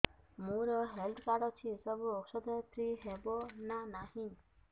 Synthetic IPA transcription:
mũɾɔɦeld̪ʰkaɽɔt͡ʃʰisɔbuɔksɔd̪ʱɔt̪ʰɾiɦebɔnanahĩ

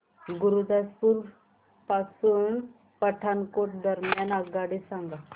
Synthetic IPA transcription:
ɡuɾud̪aspuːɾ | pasuːn | pəʈʰankoʈ̚d̪əɾmjanaɡaɽisãŋɡa

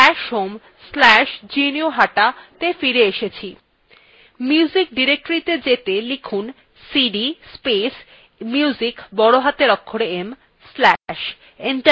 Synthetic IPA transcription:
ɛʃɦom | slɛʃd͡ʑinioɦaʈat̪efiɾeeʃet͡ɕʰi | mjiuzik̚ɖiɾek̚ʈoɾit̪ed͡ʑet̪elikʰun | siɖispes | miuuzikbɔɽoɦat̪eɾɔkʰːoɾeem | slɛʃ | iɳʈ

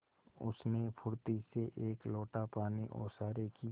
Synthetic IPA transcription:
ʊ̰snepʰʊɾt̪iseʔeːkloːʈapaːniʔɔ̰ːɾsaːɾeki

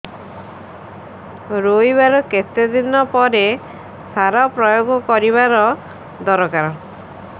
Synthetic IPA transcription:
ɾojbaɾɔket̪ed̪inɔpɔɾe | saɾɔpɾɔjoɡɔkɔɾiβaɾɔ | d̪ɔɾɔkaɾɔ

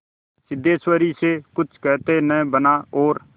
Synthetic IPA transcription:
sɪd̪eːswəɾiːsekʊt͡ʃʰkɛːt̪enɛ̃ːbənaːoːɾ

